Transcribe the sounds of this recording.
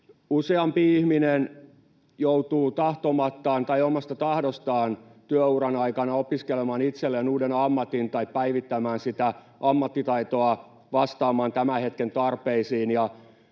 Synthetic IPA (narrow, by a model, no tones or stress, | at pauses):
useɑmpiihminen | jout̪uːt̪ɑht̪omɑt̪ːɑːnt̪ɑiomɑst̪ɑt̪ɑhdost̪ɑːnt̪yøurɑnɑikɑnɑopiskelemɑːnit̪selːenuːdenɑmːɑt̪int̪ɑippæiʋit̪ːæmæːnsit̪æ | ɑmːɑt̪ːit̪ɑit̪oɑ | ʋɑst̪ɑːmɑːnt̪æmæhet̪kent̪ɑrpeisiːnjɑ